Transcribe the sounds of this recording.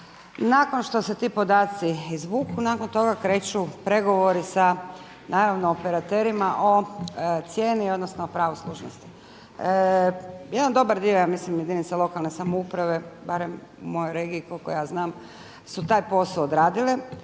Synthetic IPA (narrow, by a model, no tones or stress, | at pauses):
naːko̞nʃt̪o̞se̞t̪iːpo̞d̪aːt̪siizʋuːkunaːkont̪o̞ɡakɾe̞ːt͡ʃupɾe̞ɡo̞ʋo̞ɾisa | nʔaːɾaʋnoːpeɾat̪e̞ɾimaʔot̪sjeːnio̞d̪nosnoopɾaʋoslˠuʒno̰st̪i̥ | jed̪and̪o̞baɾd̪iojaːmislimjed̪init̪salˠo̞kalˠnesamoupɾaʋe̞baɾem | umo̞jojɾeɡiːkolkojejaːznaːm | sut̪aːjpo̞saod̪ɾaːd̪ile